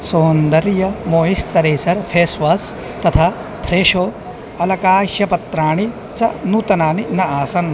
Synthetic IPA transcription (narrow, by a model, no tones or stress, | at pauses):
soːnd̪ɐɾjɐmoːɦist͡sɐɾeːsɐɾpʰeːsʋɐs | t̪ɐt̪ʰaː | pʰɾeːʃoː | ɐlɐkaːʃjɐpɐt̪ɾaːɳi | t͡ʃɐnut̪ɐnaːninɐaːsɐn